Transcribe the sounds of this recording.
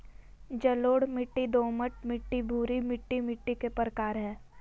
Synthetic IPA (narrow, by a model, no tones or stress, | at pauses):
d͡ʒɐloːɽmɪʈːid̪oːməʈmɪʈːibʱuːɾimɪʈːimɪʈːikepɾəkaːɾɦɛ̃ː